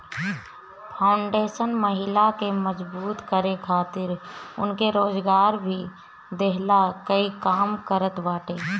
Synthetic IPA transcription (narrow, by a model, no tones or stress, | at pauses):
pʰaːʊɳɖeːʃənməɦɪlakeməd͡ʒbuːt̪kəɾekʰaːt̪ɪɾʊnkeɾoːd͡ʒɡaːɾbʱi | d̪eɦlakəikaːmkəɾət̪baːʈeː